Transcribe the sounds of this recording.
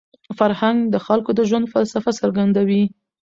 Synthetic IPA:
faɾhaŋɡd̪əxalkod̪əʒwand̪falsafasəɾɡand̪awi

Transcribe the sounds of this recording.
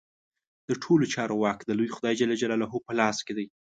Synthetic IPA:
d̪̥əʈʰolot͡ʃɑɾowɑkd̪əlujxʊd̪ɑjd͡ʒalad͡ʒalɑlaɦopəlɑsked̪aj

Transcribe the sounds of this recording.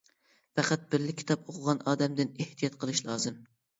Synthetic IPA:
fæqɑt̪̚bɪɾlɪkʲʰːi̥t̪ʰɑpoqʰʊʁɑnɑːd̪ɛmd̪ɪneht̪ʰijɑt̪̚qʰəlˠɨʃlˠɑːzɨm

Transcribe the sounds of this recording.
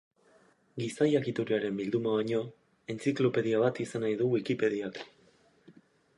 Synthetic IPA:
ɡisajakit̪uɾiaɾe̞mbild̪umaβaɲo̞ | e̞nt͡siklo̞pe̞ðiaβ̞at̪isanajðuwikipe̞ðiak

